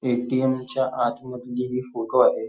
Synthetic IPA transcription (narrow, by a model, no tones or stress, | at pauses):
eʈiemt͡ɕjaʔat̪ʰməd̪liɦifoʈoaɦe